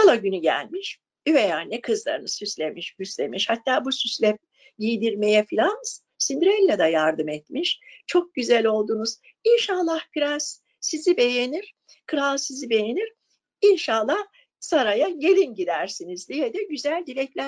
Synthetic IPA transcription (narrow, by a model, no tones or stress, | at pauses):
alˠaɟynyɟæ̰lʲmiʃ | yvejanːɛkʰɯzlˠa̰ɾɯnɯsyslʲemiʃbyslʲḛmiʃhat̪ːaːbusyslʲɛp̚ | jijd̪iɾme̞jɛfilʲans | sind̪ɾɛlʲːɛd̪ajaɾd̪ɯmɛt̪miʃt͡ʃʰo̞k̚ɟyzælʲo̞lˠd̪uːnuz̥ | inʃalˠːahkʰɯɾas | sizibe̞je̞niɾ̥ | kʰɯɾalˠsizibe̞jeniɾ | inʃalˠːah | saɾajaje̞lʲinɟid̪æɾsinizd̪ijɛd̪ɛɟyzælʲd̪ilʲɛclʲæ